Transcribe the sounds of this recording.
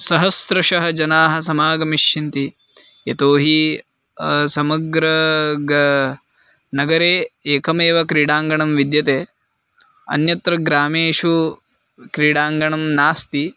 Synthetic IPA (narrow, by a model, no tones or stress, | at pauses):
sɐɦɐsɾɐʃɐɦɐd͡ʒɐnaːɦɐsɐmaːɡɐmiʃt͡ʃint̪i | jet̪oːɦi | sɐmɐɡɾɐɡ | nɐɡɐɾeːeːkɐmeːʋɐkɾiːɽaːŋɡɐɳɐmʋid̪jɐt̪eː | ɐ̰njɐt̪ɾɐɡɾaːmeːʃu | kɾiːɽaːŋɡɐɳɐmnaːst̪i